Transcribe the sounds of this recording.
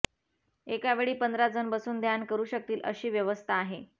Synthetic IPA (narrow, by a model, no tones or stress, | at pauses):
ekaʋeɭiːpənd̪ʱɾad͡zənbəsuːnd̪jankəɾuːɕək̚t̪iːlʔə̰ɕiːʋjəʋəst̪ʰaːɦe